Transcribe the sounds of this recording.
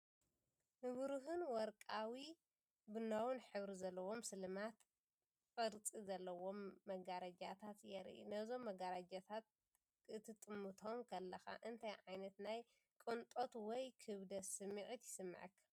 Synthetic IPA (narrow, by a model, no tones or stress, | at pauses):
nɨβɾuɦɨnwɔɾkʼawi | bɨnːawʊnħɨβɾizɐlːɐwo̞msɨlɨmat̪ | kʼɨɾt͡sʼizɐlːɐwo̞mːɐɡaɾɐd͡ʒat̪ʰat̪jɛɾʔḭnɐzo̞mːɐɡaɾad͡ʒat̪ʰat̪̚ | ɨt̪ʰɨt̪ʼːɨmːut̪ʰo̞mkʰɐlːɐxa̰ʔɨnt̪ʰajʕajnɐt̪naj | kʼɨnt̪ʼot̪wɔjkʰɨβd̪ɐsɨmːiʕit̪jɪsɨmːɐ̰ʕɨkː